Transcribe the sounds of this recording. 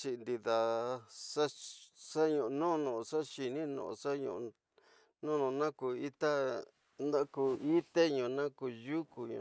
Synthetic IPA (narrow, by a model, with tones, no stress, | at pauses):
t͡ʃi˧nd̪i˧ða˨sa˦sa˦ɲũ˧ʔnõ˦˧nõ˨˧ʂa˦ʃi˧nĩ˦nõ̰˧˨ʔsa˦ɲṵ̃˧˨˧ | nõ˦nõ˧nã˦ku˧i˦t̪a˦ | nd̪ã˦ku˧i˦t̪e˦ɲũ˧˨˧nã˦ku˧ju˦ku˧ɲṵ̃˧